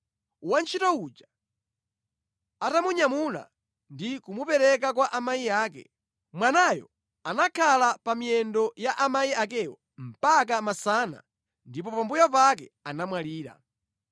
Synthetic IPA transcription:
want͡ʃʰitɔud͡ʒa | atamuɲamula̰ | ndikumupɛɾɛk̬akwaʔamaiaːkɛ̰ | mwanajɔ̰ | anakʰalapamiɛndɔjaʔamaiak̬ɛwɔ | m̩pak̬amasaːna̰ | ndip̬ɔpambujap̬ak̬ɛanamwaliːɾa̰

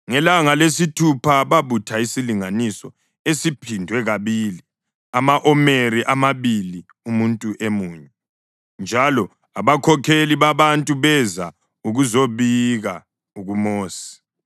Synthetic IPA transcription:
ŋɛlaŋalesitʰupʰaβaβutʰaisiliŋanisɔ | esipʰindʱwɛɣaβiːli | amaʔɔmeɾiʔamaβili | umuntʼuʔemuːɲɛ | nd͡ʒʱalɔ | aβakʰɔkʰeliβaβantʼuβɛza | uɣuzoβiɣa | uɣumoːsi̥

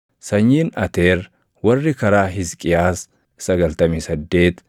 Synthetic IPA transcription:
sɐɲːiːnɐt̪eːɾ | wɐrːɪkɐɾaːɦɪskʼɪjaːs | sɐɡɐlt̪ɐmisɐd̪ːe̞ːt̪

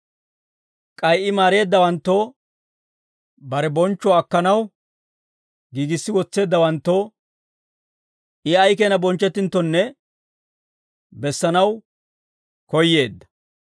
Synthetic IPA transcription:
kʼɐjʔɪmaːɾe̞ːd̪ːɐwɐnt̪ːo | bɐɾɛbɔnt͡ʃːɔɐkːɐnɐw | ɡiːɡɪsːɪwɔt͡sːe̞ːd̪ːɐwɐnt̪ːo | ʔɪɐjkenɐbɔnt͡ʃːɛt̪ːɪnt̪ːɔnːɛ | bɛsːɐnɐw | kɔjːe̞ːd̪ːɐ̥

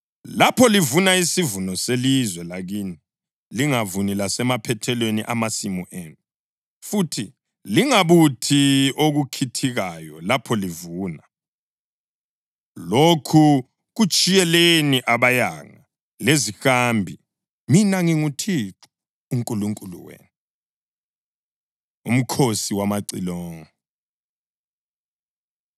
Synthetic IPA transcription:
lapʰɔlivunaisivunɔselizwɛlaɣiːni | liŋavunilasɛmapʰɛtʰɛlwenḭʔamasimuʔeːnu | futʰi | liŋaβutʰioɣukʰitʰiɣajɔlapʰɔlivuːna | lokʰu | ɣut͡ʃʼijɛleniʔaβaja̰ŋa | lezixambʱi | minaŋiŋutʰiǁu̥ː | ŋkʼuluŋkʼulṵwḛːnu | um̩kʰosiwamaǀḭlɔŋɔ

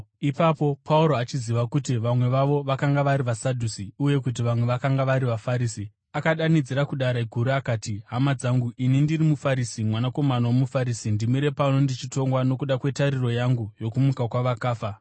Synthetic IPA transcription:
ipapo̞pʰauɾoat͡ʃiziʋakutiʋamwe̞ʋaʋo̞ʋakaŋɡaʋaɾiʋasadʱusiuje̞kut̬iʋamwe̞ʋakaŋɡaʋaɾiʋafaɾiːsi | akaɗanid͡ziɾakuɗaɾaɡʱuɾuakaːtiɦamad͡zaŋɡuʔinindirimufaɾisimwanako̞manawomufaɾiːsindimiɾe̞pano̞ndit͡ʃito̞ŋɡwano̞kuɗakwe̞taɾiro̞jaŋɡujo̞kumukakwaʋakaːfa

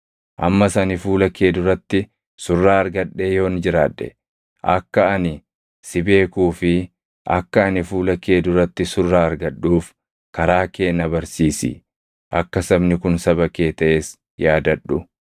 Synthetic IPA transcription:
ʔɐ̰mːɐsɐnɪfuːlɐke̞ːd̪ʊɾɐt̪ːɪ | sʊrːaːɐɾɡɐᶑːe̞ːjo̞ːnd͡ʒɪɾaːᶑːɛ̰ | ʔɐ̰kːɐɐnɪ | sɪbe̞ːkuːfɪ | ʔɐkːɐːnɪfuːlɐkeːd̪ʊɾɐt̪ːɪsʊrːaːɐɾɡɐɗːuːf | kɐɾaːke̞ːnːɐbɐɾsiːsɪ̰ | ʔɐkːɐsɐbnɪkʊnsɐbɐke̞ːt̪ɐʔeːs | jaːd̪ɐᶑːʊ

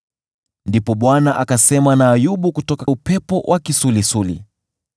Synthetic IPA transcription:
ndipɔɓwanaʔakasɛmanaːjuɓukutɔkaupɛpɔwʔakisulisulḭ

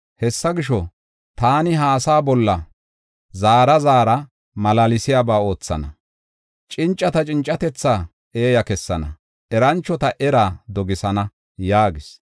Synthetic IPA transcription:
hɛsːɐɡɪʃɔ | t̪aːnɪɦaːsaːbɔlːɐ | zaːɾɐzaːɾɐ | mɐlalɪsɪjaːbaːo̞ːt͡sːɐ̰nɐ̰ | t͡ʃʼɪnt͡ʃʼːɐt̪ɐt͡ʃʼɪnt͡ʃʼːɐt̪ɛt͡sːaː | ʔeːjɐkɛsːɐnɐ̰ | ʔɛɾɐnt͡ʃːɔt̪ɐʔɛɾaːd̪ɔɡɪsɐnɐ | jaːɡɪs

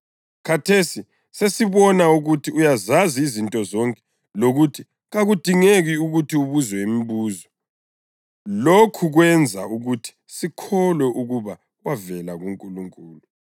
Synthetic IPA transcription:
kʰatʰesi | sesiβɔnauɣutʰiujazaziːzintʼɔzɔŋkʼɛ̥ | loɣutʰi | ɣaɣud̥ʱiŋeɣiuɣutʰiuβuzwɛimiβuːzɔ | lokʰuɣwɛnd͡zʱa̰uɣutʰi̥sikʰɔlwɛʔuɣuβa | ɣwavɛlaɣuŋkʼuluŋkʼuːlu

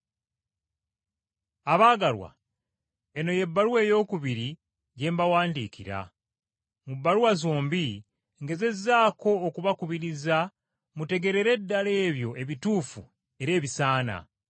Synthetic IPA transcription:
aβaːɡalwa̰ | e̞no̞je̞bːaluwe̞ːjo̞ːkuβiɾi | ɟe̞ːmbawaːndiːkḭɾa̰ | mubːaluwazoːmbi | ŋɡe̞ze̞zaːko̞ːkuβakuβiɾiza | mute̞ɡe̞ɾe̞ɾe̞dːale̞ːβjo̞ʔe̞βituːfu | e̞ɾe̞ːβisaːna̰

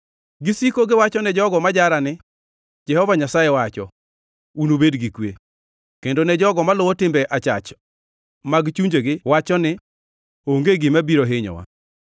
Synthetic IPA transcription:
ɡɪsikoɡɪwat͡ʃɔnɛd͡ʒɔɡɔmad͡ʒaɾanɪ | d͡ʒɛhɔvaɲasajɛwat͡ʃɔ̰ | unobedɡikwḛ | kendonɛd͡ʒɔɡɔmalʊwɔtɪmbɛʔat͡ʃat͡ʃ | maɡt͡ʃuɲd͡ʒeɡɪwat͡ʃɔnɪ | oŋɡeɡɪmabiɾoɦɪɲɔ̰wa̰

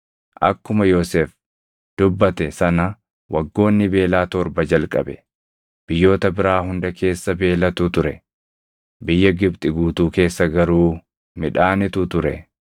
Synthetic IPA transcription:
ʔɐkːʊmɐjoːseːf | d̪̥ʊbːɐt̪ɛsɐnɐ | wɐɡːo̞ːnːɪbe̞ːlaːt̪ɔɾbɐd͡ʒɐlkʼɐ̰bɛ | b̥ɪjːo̞ːt̪ɐbɪɾaːhʊnd̪ɐkʰe̞ːsːɐbe̞ːlɐt̪ʊt̪ʊɾɛ | bɪjːɐɡɪbt̪ʼɪɡuːt̪uːke̞ːsːɐɡɐɾuː | mɪᶑaːnɪt̪ʊt̪ʊɾɛ

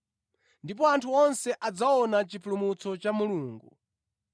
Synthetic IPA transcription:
ndip̬ɔantʰuɔnsɛʔad͡zaɔnat͡ʃipʰulumut͡sɔt͡ʃamuluːŋɡu

